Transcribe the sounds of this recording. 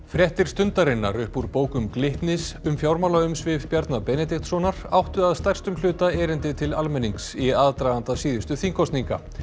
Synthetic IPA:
fɾjɛht̪ɪɾ̥st̪ʏnt̪aɾɪnːa̰ɾʏhpuɾpoːwkʏmklɪht̪nɪsʏmfjawɾmalaʏmsvɪvpjaɾt̪napɛnɛt̪iht̪sɔnaɾ̥awht̪ʏaðst̪ajr̥st̪ʏmlʏːt̪aɛːɾɪnt̪ɪt̪ʰɪlalmɛnːiŋksiaðt̪ɾajðant̪asiːðʏst̪ʏθiŋkʰɔst̪niŋka̰

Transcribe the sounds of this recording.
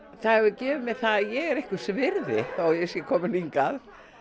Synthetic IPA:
θaðhɛvʏcɛːvɪmɛðθaðjɛɣɛɾehkʏ̥svɪɾðɪθajɛsjɛkʰɔːmɪliŋkað

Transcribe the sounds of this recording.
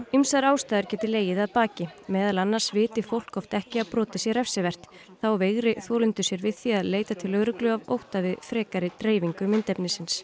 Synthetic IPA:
imsaɾaːwst̪aːjðʏɾ̥cɛːt̪ɪleːjɪðaðpaːcɪmɛːðalanːaɾ̥svɪːt̪ɪfowl̥kɔft̪ɛhcɪaðpɾɔːt̪ɪsjɛɾɛfsɪvɛr̥t̪ | θawveɣɾɪθɔːlʏnt̪ʏsjɛɾvɪðθiaðleːjt̪at̪ʰɪlœɣɾʏklʏavo̰wht̪avɪðfɾɛːkaɾɪt̪ɾeːjviŋkʏmɪnt̪ɛpnɪsɪns

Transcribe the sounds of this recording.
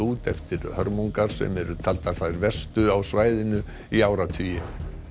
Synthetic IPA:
uːt̪ɛft̪ɪɾhœ̰ɾmuŋkaɾ̥sɛ̰mɛɾʏt̪ʰalt̪aɾ̥θaðɪɾvɛst̪ʏawsvajðɪnʏ | iaːwɾat̪ʰviːjɪ

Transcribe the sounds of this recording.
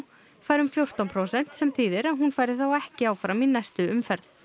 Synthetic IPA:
faːjɾʏmfjowr̥t̪ɔnpʰɾowsɛn̥t̪sɛmθʰiːðɪɾaðɦun̪faːjɾðɪθawɛhcɪaːwfɾaminːɛst̪ʏʏmfɛɾθ

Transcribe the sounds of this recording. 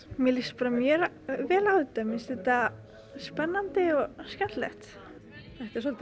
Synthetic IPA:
mjɛlispɾamjɛɾ | vɛːlawðɪt̪amɪnsɛt̪a | spɛnːant̪ɪɔɣskɛnt̪lɛ̰xt̪ | θɛht̪ɛɾs̬ɔlt̪

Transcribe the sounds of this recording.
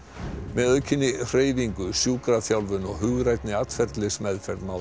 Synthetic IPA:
mɛðœɥcʰɪnːɪr̥eːjviŋkʏsjuːkɾaθjawlvʏnɔɣɦʏɣɾajt̪nɪat̪fɛɾt̪lɪsmɛðfɛɾt̪maːw

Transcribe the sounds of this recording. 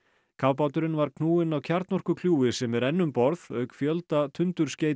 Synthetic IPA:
kʰaːwpawt̪ʏɾɪnvaɾkʰnuːɪnawcʰaɾt̪nɔr̥kʏkʰl̥juːɪsɛmɛɾɛnːʏmpɔɾðœɥkfjœlt̪at̪ʰʏnt̪ʏɾ̥sceːj

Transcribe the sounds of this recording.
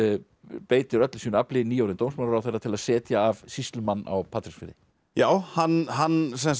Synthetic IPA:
peːjt̪ɪɾœt̪lsiːnaplɪniːowɾɪnt̪owmsmaɾɾawθɛrːat̪ʰɪlaðsɛːt̪jaːvsist̪lʏmanːa̰wpʰaːt̪ɾɪksfɪɾɪ̰ | jaːwhanɦans̬ɛns

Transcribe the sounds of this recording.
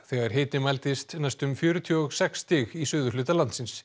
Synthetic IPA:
θɛːɣaɾ̥ɦeːt̪ɪmalt̪ɪst̪nɛjst̪ʏmfjœːɾʏt̪ʰjɔɔɣsɛkst̪ɪːɣisʏːðʏlʏːt̪alant̪sɪns

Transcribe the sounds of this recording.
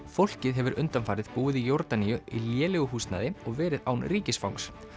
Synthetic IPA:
fowl̥cɪðɦɛvʏɾʏnt̪amfaːɾɪðpuːɪðijoɾt̪anijʏiljɛːlɛɣʏɦuːst̪na̰ðɪɔɣvɛːɾɪðawnriːcɪsfawŋs

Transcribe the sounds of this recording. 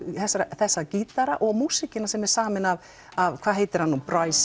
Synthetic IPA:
θɛsːaɾaθɛsːaciːt̪aɾaʔɔɣmuːsɪcɪnasɛmɛɾ̥saːmɪnav | avkʰv̥aːðɦeːjt̪ɪɾ̥hanːupɾajs

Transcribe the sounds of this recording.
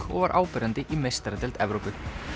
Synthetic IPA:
kɔ̰ɣvaɾʔa̰ːwpɪɾant̪ɪʔimejst̪aɾat̪ɪlt̪ɛvɾowpʏ

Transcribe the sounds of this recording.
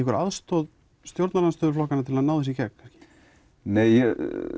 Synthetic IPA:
ɛkvʏɾʔa̰ðst̪ɔð | st̪jowɾt̪naɾanst̪ʏːðʏɾflɔhkanat̪ʰɪlaðnaːwðɛsicɛkŋ̥kʰanscɪ̥ | neːj

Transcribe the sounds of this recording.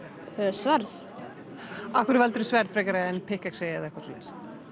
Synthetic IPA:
ɛsvaɾð | ahkʏɾvalt̪ʏɾʏsvɛɾðfɾɛkaɾaɛnpʰɪhkaksejaðɛhkʰvaɾt̪ulḛs

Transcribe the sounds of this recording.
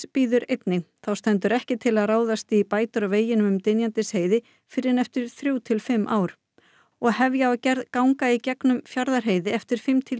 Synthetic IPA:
piːðʏɾejt̪nɪθawst̪ɛnt̪̬ʏɾɛhcɪt̪ʰɪlaðraːwðast̪ipaːjt̪ʏɾaveːjɪnʏmʏmt̪ɪnjant̪ɪsheːjðɪ | fɪɾɪnɛft̪ɪɾ̥θɾjuwt̪ʰɪlfɪmːʔaːwɾ | ɔɣhɛvjaacɛɾðkawŋkaicɛknʏmfjaɾðaɾ̥ɦejðɪɛft̪ɪɾ̥fɪmt̪ʰɪ

